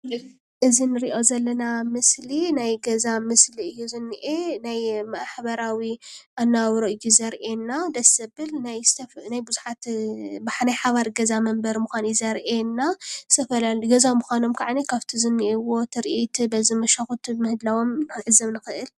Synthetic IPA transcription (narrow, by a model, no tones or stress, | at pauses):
ʔɨzinɨɾiʔo̞zɐlːɐnamɨslinajɡɐzamɨsliɨjːuzɨnːɨʔenajmɐʔħbɐɾawiʔanːawɾoʔɨjːuzɐɾʔenːad̪ɐsɐbɨlnajst̪ʰɐfnajbɨzuħat̪bħanajħaβaɾɡɐzamɐmbɐɾmuxʷanizɐɾʔenːast̪ʰɐfɐlaliɡɐzamɨxʷano̞mkʰaʕanikʰaβt̪ʰizɨnːiʔewo̞t̪ʰɨɾʔit̪ʰbɐzimɐʃaxut̪ʰmɨhɨd̪lawo̞mʕɨzɐmnɨxɨʔɨl